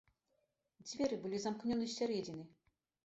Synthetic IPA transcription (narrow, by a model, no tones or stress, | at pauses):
d͡zʲvʲɛɾɨbɨlʲizamknʲɔnɨsʲaɾʲɛd͡zʲinɨ